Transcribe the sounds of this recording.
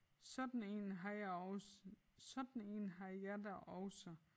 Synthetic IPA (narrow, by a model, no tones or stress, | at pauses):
sɒd̥n̩e̝̰nɦɑj | sɒ̽d̥n̩e̝̰ːnɦɑjɑdæʔɒʊsɐ